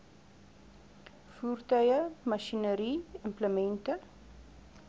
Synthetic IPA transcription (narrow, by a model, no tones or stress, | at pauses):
fuːrtœɥəmɐʃinəɾiːəmpləmɛntə